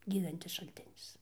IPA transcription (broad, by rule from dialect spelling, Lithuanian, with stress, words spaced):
ˈɡʲiːdɐnʲtʲɪs ʃɐlʲˈtʲɪnʲɪs